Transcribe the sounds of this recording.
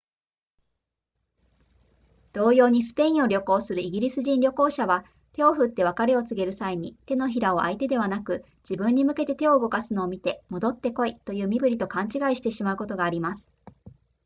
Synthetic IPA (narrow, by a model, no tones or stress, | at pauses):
d̪̥o̞ːjo̞ːɲ̟isɨ̥pe̞ĩɰo̞ɾʲo̞ko̞ːsɨɾɯ̟iɡʲiɾʲisɨʑĩnɾʲo̞ko̞ːɕaβa | t̪e̞o̞ɸɯ̟t̪ːe̞β̞akaɾe̞o̞t͡sɨɡe̞ɾɯ̟saiɲ̟it̪e̞no̞çiɾao̞ʔa̰it̪e̞d̪e̞β̞anakɯ̟ | d͡ʑibɯ̟̃ɲ̟ːimɯ̟ke̞t̪e̞t̪e̞o̞ɯ̟ɡo̞kasɨno̞ːmʲit̪e̞mo̞d̪o̞t̪ːe̞ko̞it̪o̞jɯ̟ːmʲibɯ̟ɾʲit̪o̞kãɲ̟t͡ɕiɡaiɕi̥t̪e̞ɕimaɯ̟ko̞t̪o̞ɡaːɾʲimasɨ̥